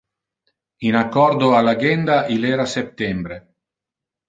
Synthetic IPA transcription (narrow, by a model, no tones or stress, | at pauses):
inakːɔɾd̪oalaɡɛnd̪aʔilɛːɾasep̚t̪ɛmbɾe